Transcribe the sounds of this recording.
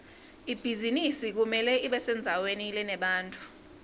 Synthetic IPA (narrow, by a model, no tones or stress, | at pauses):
ib̥ʱizinisik̬umɛlɛʔiɓɛsɛnd͡zʱawenilɛnɛɓaːntʼu̥